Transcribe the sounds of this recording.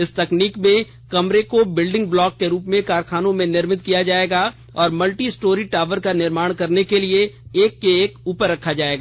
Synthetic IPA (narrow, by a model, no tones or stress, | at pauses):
ɪst̪ɐkniːkmẽ | kɐmɾekobɪlɖɪ̃ŋɡ̚blɔːkːeɾuːpmẽkaːɾxaːnõmẽnɪɾmɪt̪kijad͡ʒaːeːɡaː | ɔːɾmɐlʈisʈoːɾiʈaːʋəɾkanɪɾmaːɽ̃kɐɾnekelieeːkːeːkuːpəɾːɐkʰːad͡ʒaːeːɡaː